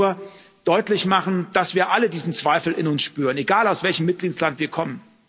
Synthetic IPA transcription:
ɐ | d̥ɔʏtlɪçmaχn̩d̥asv̥iːɐʔalədiːzn̩t͡sv̥aɪfl̩ɪnʊnsʃpyːʁəneɡaːlaʊsv̥ɛlçəmːɪt̚ɡ̥liːtslantv̥iːɐkʰɔmən

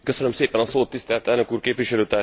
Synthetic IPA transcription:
køsø̞nø̞mseːpɛnɒsoːt̪ːist̪ɛlt̪ɛlnøkuːrkeːpʋiʃɛløːt̪aː

